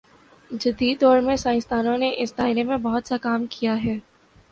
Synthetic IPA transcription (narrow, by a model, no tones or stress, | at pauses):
d͡ʒɐd̪iːd̪ɔːɾmẽsãːɪ̃st̪aːnõneʔɪsd̪aːɪlemẽbɐɦʊt̪sakaːmkijaɦɛː